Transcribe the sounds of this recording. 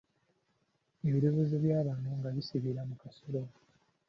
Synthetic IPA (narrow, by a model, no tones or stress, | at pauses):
e̞βiɾoβezeβjaːβaːnuŋɡaβisiβiɾamukasolo